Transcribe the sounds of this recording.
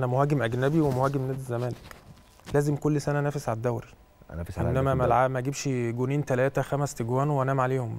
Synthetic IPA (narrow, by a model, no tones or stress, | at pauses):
ʔænæmohæːɡemʔæɡnæbiwemohæːɡemnæːd̪zːæmæːlek | læːzemkolːsænænæːfesʕalæd̪ːæwɾi | ʔḛnːæmæmælʕamæɡebʃɡoniːnt̪ælæːt̪æxæmæst̪eɡwæːnweʔænæːmʕaleːhom